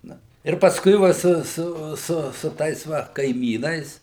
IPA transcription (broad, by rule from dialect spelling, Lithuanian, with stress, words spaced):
ˈnɐ ɪr pɐsˈkʊɪ ˈʋɐ ˈsʊˈsʊ sʊ sʊ ˈtɐɪs ˈʋɐ kɐɪˈmʲiːnɐɪs